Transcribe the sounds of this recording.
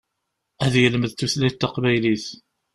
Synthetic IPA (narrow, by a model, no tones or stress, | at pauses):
æðjəlməðθuθlæt̪ːɑqbæjliθ